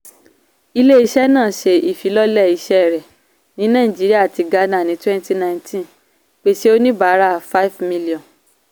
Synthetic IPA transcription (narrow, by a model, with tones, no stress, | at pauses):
i˧le˦i˧ʃɛ˦nãː˦˨ʃe˧i˦˨fi˨˦lɔ˦lɛ˦˨i˧˦ʃɛ˦ɛ˨ɾɛ˨ | nĩ˨˦nã˦˨ĩ˨d͡ʒi˨˦ɾi˦a˦a˨ti˧ɡa˧nã˦˨nĩ˨˦twɛ̃˦nti˦nã˧ntʰĩ˦ | k͡pe˦ʃe˦o˦nĩ˦ba˨˦ɾa˦˨fa˦i˦vmi˧li˨ɔ̃˨n